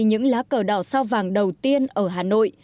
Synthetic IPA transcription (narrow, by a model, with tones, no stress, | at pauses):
ɲɨ̰˧˥ŋlaː˨˦˥kəː˧˩ɗɔ˧˩saː˧wvaː˨˩ŋɗə˨˩wt̪i˧ənʔəː˧˩ɦaː˨˩no̰˧˨jʔ